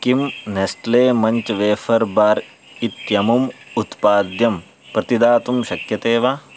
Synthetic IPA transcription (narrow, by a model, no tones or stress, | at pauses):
kimnesʈleːmɐɲt͡ʃɐʋeːfʰɐɾbaːɾ | it̪jɐmumut̪paːd̪jɐm | pɾɐt̪id̪aːt̪umʃɐkjɐt̪eːʋaː